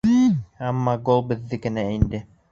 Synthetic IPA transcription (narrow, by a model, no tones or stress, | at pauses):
ɑmːɑɡolˠbɘ̆ðːɘkɘ̆næind̪ɘ